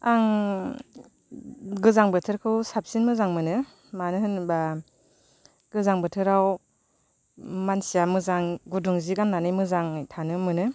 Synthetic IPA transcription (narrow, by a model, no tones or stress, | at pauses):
aŋ | ɡɯzaŋbɯtʰɯɾkʰɯwsap̚sinmɯzaŋmɯnɯ | manɯɦɯnba | ɡ̥ɯzaŋbɯtʰɯɾaw | mansijamɯzaŋɡuduŋziɡanːanɯjmɯzaŋtʰanɯmɯnɯ